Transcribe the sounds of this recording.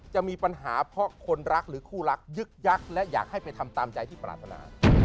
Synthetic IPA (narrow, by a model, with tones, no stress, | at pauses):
t͡ɕa˨˩ʔmiː˧pa˧nɦaː˩˦pʰɾɔ˦˥kʰo˧nɾa˦˥k̚ɾɯː˩˦kʰuː˥˩ɾa˦˥k̚jɯ˦˥k̚ja˦˥˩k̚lɛ˦˥ʔjaː˨˩k̚ha˥˩jpa˧jt̪ʰa˧mt̪aː˧mt͡ɕa˧jt̪ʰiː˥˩pɾa̰ː˨˩t̪ʰːa˧na̰ː˧˦